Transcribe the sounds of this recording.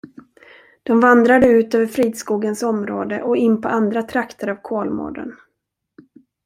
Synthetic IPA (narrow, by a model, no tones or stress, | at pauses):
d̪̥ɔmvand̪ɾad̪əʉ̟ːt̪øːvəɾfɾiːd̪skuːɡənsɔmɾo̰ːd̪ə̰ʔɔɪnːpʰɔʔand̪ɾat̪ʰɾakt̪ʰəɾavkʰoːlmo̰ːɖə̰n